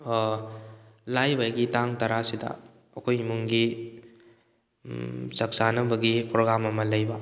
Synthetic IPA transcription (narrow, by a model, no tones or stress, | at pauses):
lajbajɡitaŋtɐɾasidɐ̰ː | kʰojmuŋɡi | sɐk̚sanɐbɐɡipɾoɡɾamɐmɐlɐjbɐ